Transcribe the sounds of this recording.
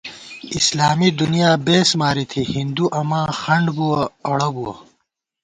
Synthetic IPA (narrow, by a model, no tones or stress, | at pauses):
islaːmid̪unijaːbeːsmaːɾit̪ʰihind̪uʔɐmãːxɐɳɖbuɐɐɽɐbuwɐ̰